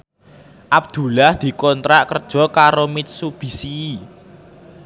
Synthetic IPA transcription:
ʔab̚d̪̥ṳlahd̪̥i̤kɔnt̪ɾaʔkərd̥ʒ̥ɔ̤kaɾomɪt̪̚sub̥i̤siː

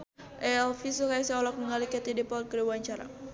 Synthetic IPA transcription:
ʔɛlfisukajasɛɔlɔk̚məŋalikɛt̪idipɔt̪̚kəɾiwaɲt͡ʃaɾa̰

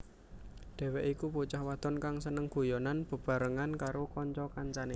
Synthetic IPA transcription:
d̪̥ɛ̤wɛʔikuput͡ʃahwad̪̥ɔnkaŋsənəŋɡ̥o̤jɔnanb̥ə̤b̥a̤ɾəŋankaɾokɔɲt͡ʃɔkaɲt͡ʃane

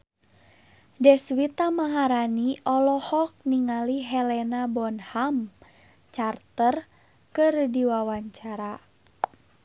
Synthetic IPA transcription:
dɛswit̪amaɦaɾaniʔɔlɔhɔk̚niŋaliɦɛlɛnabɔnham | t͡ʃart̪ər | kɨrdiwawaɲt͡ʃaɾa

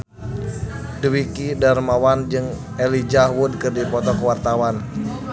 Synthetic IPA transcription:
dwikidarmawand͡ʒɨŋ | ɛlid͡ʒahwud̚kɨrdipɔt̪ɔkəwart̪awan

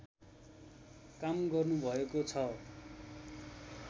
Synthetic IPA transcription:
kamɡʌrnubʱʌekot͡sʰʌ

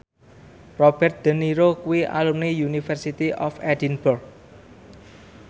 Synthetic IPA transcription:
rɔb̥ɛrt̪̚d̪̥ə̤niɾokuwia̰lumnijunifɛrsit̪iʔɔfɛdinburɡ̚

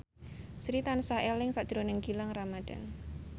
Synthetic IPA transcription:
sɾit̪ansaʔelɪŋsaʔd̥d̥ɾonɛŋɡilaŋramad̥a̰n

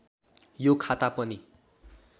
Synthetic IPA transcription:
jokʰat̪apʌni

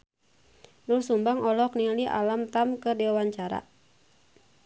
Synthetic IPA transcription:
dursumbaŋɔlɔkniliʔa̰lamt̪amkədiwawaɲt͡ʃaɾa̰

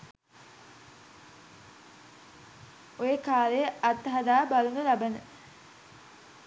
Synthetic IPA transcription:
ojəkaːlejəɐt̪ɦɐd̪aːbalunəlabənə

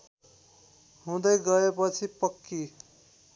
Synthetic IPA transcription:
ɦũd̪ʌjɡʌepʌt͡sʰipʌkːi

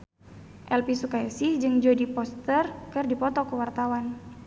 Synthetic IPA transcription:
ʔɛlpisukajasɪhd͡ʒɨŋd͡ʒodipɔst̪ərkɨrdipɔt̪ɔkəwart̪awan

